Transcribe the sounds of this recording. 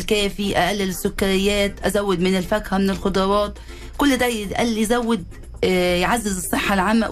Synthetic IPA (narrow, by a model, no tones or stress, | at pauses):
lkæːfiʔaʔælːɪlɪsːʊkːaɾɪjːæːt̪ʔæzawːɪd̪mɪnɪlfækhæmɪnɪlxʊd̪ˤɑɾˤɑːt̪̚ | kʊlːd̪æʔæ̰lːjzæwːɪd̪ | jʕazːɪzɨsˤːɨħːalʕamːæ̰